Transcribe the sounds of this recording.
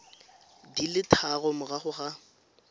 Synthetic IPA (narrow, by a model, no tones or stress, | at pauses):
dilɪtʰaɣɔmʊɣaχʊχa